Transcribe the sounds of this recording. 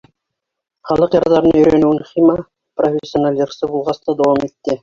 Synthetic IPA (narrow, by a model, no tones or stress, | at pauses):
χɑlˠɤqjɑɾd̪ɑɾnɵ̆jɾænʉwɘnχimɑ | profʲesʲːjonalʲjɤ̆ɾsɤbulˠʁɑst̪ɑd̪ɑwɑmit̪ːɪ